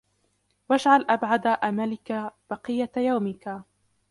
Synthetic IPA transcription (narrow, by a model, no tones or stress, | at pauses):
wad͡ʒʕalʔabʕad̪aʔamalɪkab̥ɑqɨjːajawmɪka